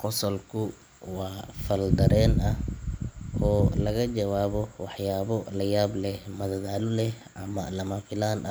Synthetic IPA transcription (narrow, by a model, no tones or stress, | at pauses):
qɔsɐlkʰʊ | wɑːfɐld̪ɐɾɛːnɐh | ʔɔːlɐɣɐt͡ʃɐwaːβɔwɑħjaːβɔlɐjaːblɛhmɐðɐðaːlʊlɛ | ʔɐmɐlɐmaːfɪlaːnʔɐ